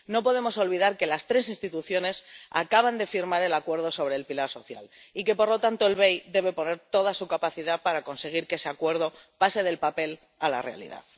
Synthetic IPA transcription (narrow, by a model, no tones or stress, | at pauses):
no̞po̞ð̞e̞mo̞so̞lβiðaɾke̞last̪ɾe̞sinst̪it̪uθjo̞ne̞sa̰kaβ̞and̪e̞fiɾmaɾe̞lakwe̞ɾðo̞so̞β̞ɾe̞ːlpilaɾso̞θja̰l | ike̞po̞ɾlo̞t̪ant̪o̞e̞lβe̞jd̪e̞βe̞po̞ne̞ɾt̪o̞ðasukapaθiðapaɾako̞nse̞ɣ̞iɾkeese̞akwe̞ɾð̞o̞pase̞ðe̞lpape̞l | ala̰re̞a̰lḭða̰ð